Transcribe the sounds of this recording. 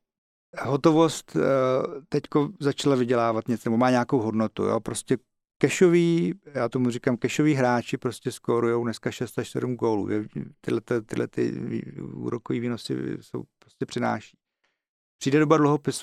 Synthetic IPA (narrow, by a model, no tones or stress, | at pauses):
ɦot̪o̞vo̞st̪ | t̪ɛckozat͡ʃalavɪɟɛlaːvat̪ɲɛt͡snɛbomaːɲɛako̞wɦo̞dnot̪ṵjo̰pɾo̞scʲɛ | kɛʃoviːjaːt̪o̞murikamkɛʃo̞viːɦɾaːt͡ʃɪpɾoscʲɛskoɾujo̞wdnɛskaʃɛst̪aʃsɛ̰dumɡo̞ːlṵːjɛt̪ɪdlɛt̪at̪ɪdlɛ̰t̪ɪ̰ḭṵːɾokoviːviːno̞sɪ̰so̰wpɾoscʲɛpr̥ɪna̰ːʃi̥ː | pr̝̥iːdɛdobadluɦopɪs